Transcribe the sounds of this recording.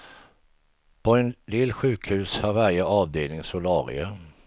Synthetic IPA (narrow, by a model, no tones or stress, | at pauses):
pʰɔɛnlɪlːɧʉ̟ːkhʉ̟ːshaɾvæɾjəʔɑːvd̪eːlnɪŋsʊlɑːɾɪ̰ə